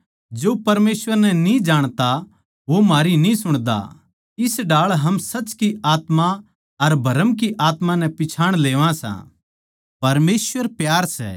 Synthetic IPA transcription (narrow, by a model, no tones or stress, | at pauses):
d͡ʒoːpɐɾmeːsʋəɾnɛnĩd͡ʒaːɽ̃t̪a | ʋomaːɾinĩsʊɽ̃d̪a̰ | ɪsɖaːɭɦɐmsɐt͡ʃkiaːt̪mã | ɐɾbʱɐɾəmk̬iʔaːt̪mãnɛpɪt͡ʃʰaːɽ̃leːʋãsã̰ | pɐɾmeːsʋəɾpjaːɾsɛ̰ː